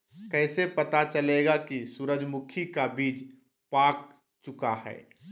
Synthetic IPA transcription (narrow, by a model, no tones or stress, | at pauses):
kɛːsepɐt̪at͡ʃəleːɡakisuɾəd͡ʒmʊkʰikabiːd͡ʒ | paːk̚ | t͡ʃʊkaɦɛ̰ː